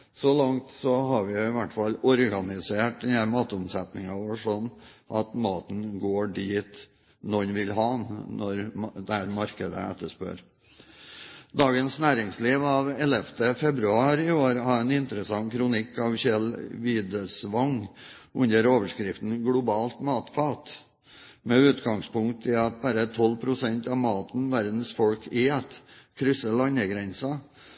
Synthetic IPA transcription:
sɔlɑŋt̪sɔɦɑɾʋɪjʊɪʋæʈːfɑlːɔɾɡɑnɪseːʈd̪ɪnæmɑːt̪ʊmsɛt̪nɪŋɑʋoːʂɔnʔɑt̪mɑːt̪n̩ɡoːɖiːt̪ | nɔnʋɪlɦɑnɔɾd̪ɛhæɾmɑɾkəd̪ə̰ɛ̰t̪ːəʂpø̰ːɾ | d̪ɑːɡənsnæːɾɪŋsliːʋɑʋɛlɛft̪ʰəfɛbɾʉɑːɾɪoːɾhɑɛnɪnt̪əɾəsɑŋkʰɾʊnɪkːɑʋçɛlʋiːd̪əsʋɑŋʉnəɾoːʋəʂkɾɪft̪n̩ɡlʊbɑːlt̪mɑːt̪fɑːt̪ | mɛʉːt̪ɡɑŋspʊŋkt̪ʰɪɑt̪̚bæɾət̪ʰɔlpʰɾʊsɛnt̪ɑʋmɑːt̪n̩ʋæɾd̪n̩sfɔlkʰɪɛt̪kʰɾʏsːəɭɑɲəɡɾɛnsɑ

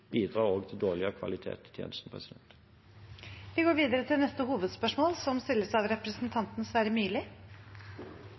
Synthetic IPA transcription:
b̥iːd̪ʁɑːʁoːɡt̪ʰɪld̪oːɭɪəkʰʋɑ̰lɪt̪ʰḛːt̪ɪt̪ʰjḛːnəst̪n̩pʰʁɛsɪd̪ɛnt̪ | ʋɪɡoːɾʋiːd̪əɾət̪ʰɪlnɛst̪əhuːʋəd̪spœʂmoːlsɔmst̪ɪlːəsɑʋɾɛpɾəsnt̪ʰɑnt̪nəsʋæːɾəmyːlɪ

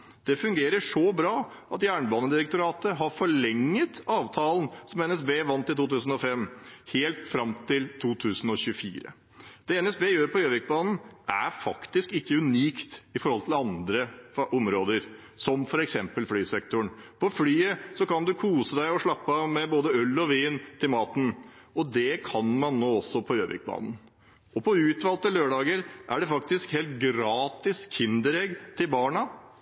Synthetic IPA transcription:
d̪̥ɛfʉŋɡeːɾəʂɔbɾɑː | ɑt̪jæːɳbɑːnəd̪ɪɾək̚t̪ʊɾɑːt̪əɦɑɾfɔɭɛŋːət̪ɑːʋt̪ʰɑːlənsɔmɛnɛsbeːæʋɑnt̪ɪt̪uːt̪ʉːsn̩ɔfɛmːheːlt̪fɾɑmt̪ʰɪlt̪ʰuːt̪ʰʉːsn̩ɔɕʉfḭːɾə̰ | d̪̥ɛɛnɛsbeːjøːɾpʰɔjøːʋɪk̚bɑːnn̩ʔæ̰ɾfɑkt̪ɪskɪkːəʉniːkt̪ɪfɔɾhɔlt̪ʰɪlɑnd̪ɾəʔɔmɾoːd̪əɾ | sɔmfɔɾɛksɛmpəlflyːsɛk̚t̪ʊɳpʰɔflyːəsɔkɑnd̪ʉkʰuːsəd̪æɪɔʂɭɑpːɑʋmɛboːd̪əœlːɔʋiːnt̪ʰɪlmɑːt̪n̩ | ɔd̪ɛkʰɑnmɑnːoːɔsːɔpʰɔjøːʋɪ̰k̚bɑ̰ːnn̩ | ɔpʰɔʉːt̪ʋɑːlt̪əløːɖɑːɡəɾʔæ̰ɖɛfɑk̚t̪ɪskheːlt̪̚ɡɾɑːt̪ɪskʰɪnd̪əɾɛɡt̪ʰɪlbɑːɳɑ

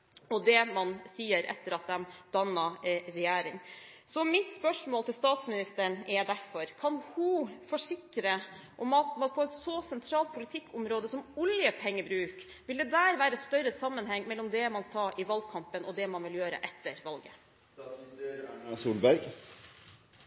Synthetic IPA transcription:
ɔd̪ɛmɑnsiːəɾɛ̰t̪ːəɾɑt̪̚d̪ɛmd̪̥ɑnːɑɾɛjæːɾɪŋsɔmɪt̪spœʂmoːlt̪ɪlst̪ɑːt̪smɪnɪst̪əɳɛd̪æɾfɔɾkʰɑnhʊfɔʂɪkɾə | ʔɔmɑt̪ɑt̪̚pʰɔɛt̪sɔsɛnt̪ʰɾɑːlt̪̚pʰʊlɪt̪ʰɪkːʊmɾoːd̪əsɔmʊljəpʰɛŋːəbɾʉːk | ʋɪld̪ɛd̪æːɾʋæːɾəst̪œɾəsɑmːənɦɛŋːmɛlːɔmd̪ɛmɑnsɑːʔɪʋɑld̪kʰɑmpənʔɔd̪ɛmɑnʋɪljøːɾə̰ʔɛt̪ːəɾʋɑlɡə | suːlbæɾɡ

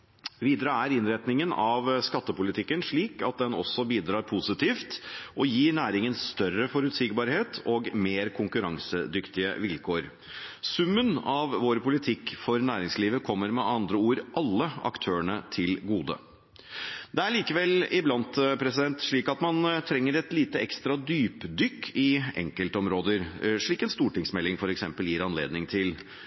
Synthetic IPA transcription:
ʋiːd̪əɾəæɾɪnɾɛt̪nɪŋənɑʋskɑt̪ːəpʊlɪt̪ʰɪkːənʂɭiːkɑt̪̚d̪ɛnɔ̰sːɔbiːd̪ɾɑːɾpʰʊsɪt̪ʰiːft̪ʔɔjiːɳæːɾɪŋənst̪œɾəfɔɾʉt̪sɪɡbɑːɾheːt̪ʰɔːɡmeːɾkʰʊŋkʉɾɑŋsəd̪ʏkt̪ɪə̰ʋɪlkʰoːɾ | sʉmːənɑʋʋoːɾpʊlɪt̪ʰɪkːfɔɾnæːɾɪŋsliːʋəkʰɔmːəɾmɛʔɑnd̪ɾəuːɾʔɑlːəɑ̰kt̪ʰøːəɳət̪ʰɪlɡuːd̪ə̰ | d̪ɛæɭiːkəʋɛlɪblɑnt̪pʰɾɛsɪd̪ɛnt̪ʂɭiːkɑt̪mɑnt̪ʰɾɛŋːəɾɛt̪liːt̪əɛkst̪ɾɑd̪yːpd̪ʏkʰːɪɛ̰ŋkəlt̪əɔmɾoːd̪əɾʂɭiːkɛnst̪uːʈɪŋsmɛlːɪŋfɔɾɛksɛmpəljɪɾɑnlḛːd̪nɪŋt̪ʰɪl

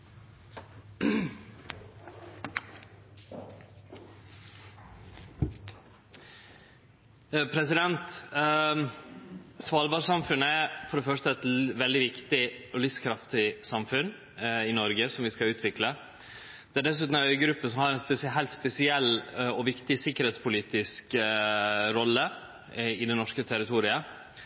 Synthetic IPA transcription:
pʰɾɛsɪd̪ɛnt̪ | sʋɑːlbɑːɾsɑmfʉnːəæfɔɖɛfœʂtəɛt̪ʋɛld̪ɪʋɪkt̪ɪɔlʏskʰɾɑft̪ɪsɑmfʉn | ɪnɔɾɡəsɔmʋɪskɑʉːt̪ʰʋɪklə | d̪̥ɛæɖɛs̬ʉːt̪n̩æœʏɡɾʉpːəsɔmhɑɾɛnspɛsɦæɪlt̪spɛsɪɛlːɔʋɪkt̪ɪsɪkːəɾhɛːt̪spʰʊliːt̪ɪsk | ɾɔlːə | ɪd̪ɛnɔʂkət̪ʰɛɾɪt̪ʰuːɾɪə

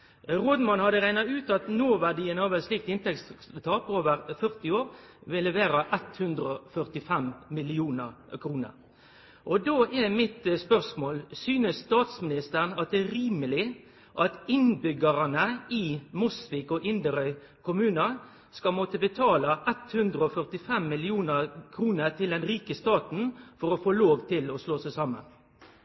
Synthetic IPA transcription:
ʁɔd̪mɑnhɑd̪əʁæɪnɑʉːt̪ɑt̪noːʋæɖɪənɑːʋəsliːk̚t̪ɪnt̪ɛkst̪ʰɑːpʰːoːʋəɾfœʁt̪ɪoːɾ | ʋɪlːəʋeːɾɑʔɛt̪hʉnd̪ɾəɔfœʁt̪ɪfɛmmɪlɪuːnəʁ | kʰɾuːnə̰ɾ | ʔɔd̪oːʔɛmɪt̪spœʁsmoːlsyːnəsst̪ɑːt̪smɪnɪst̪əʁnɑt̪̚d̪ɛɾiːməlɪ | ʔɑt̪ɪnbʏɡəɾənəɪmɔsʋɪkɔʔɪnd̪əɾœʏ | kʰʊmʉːnɑ | skɑmɔt̪əbət̪ʰɑːlɑʔɛt̪hʉnd̪ɾəɔfœʁt̪ɪfɛmːɪlɪuːnəɾkʰɾuːnət̪ʰɪld̪ɛnɾiːkəst̪ɑːt̪n̩fɔɾɔfoːloːʋt̪ʰɪlɔsloːsæɪsɑmə̰n

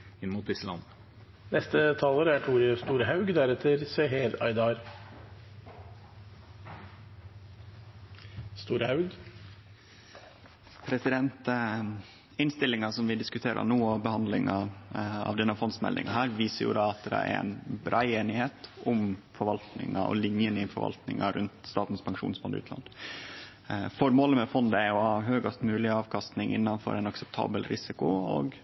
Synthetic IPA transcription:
ɪnmʊt̪̚d̪ɪsəlɑ̰nːə | nɛst̪ət̪ʰɑːləɾæʈʰuːɾəst̪uːɾəɦɑʉɡd̪æɾɛt̪ʰːəɾseːɦeːɾɑ̰ɪd̪ɑɾ | st̪uːɾhɑʉɡ | pʰɾɛsɪd̪ɛnt̪ | ɪnst̪ɪlːɪŋɑsɔmʋɪd̪ɪskʉt̪ʰeːɾʔə̰nuːɔbəhɑnd̪lɪŋɑɑ̰ʋd̪ɛnːəfɔnsmɛ̰ld̪ɪ̰ŋɑɦæːɾʋiːsəɾjʊ̰d̪ɑːɑt̪̚d̪ɛæ̰ɾɛ̰nbɾʔæɪeːnɪheːt̪ʔʊmfɔɾʋɑlt̪nɪ̰ŋɑ̰ʔɔ̰lɪnjənɪfɔ̰ɾʋɑ̰lt̪nɪ̰ŋɑɾʉnt̪st̪ɑːt̪n̩spʰɑŋʂṵːnsmɔlʉ̰ːt̪ʰlɑ̰n | fɔɾmoːləmɛfɔnd̪əæɾɔhɑːɦøːɡɑst̪mʉːlɪɑːʋkʰɑst̪nɪŋʔɪ̰nːɑnfɔ̰ɾʔɛɪnɑksɛp̚t̪ʰɑ̰ːbəlɾɪsɪkʊo̰ːɡ

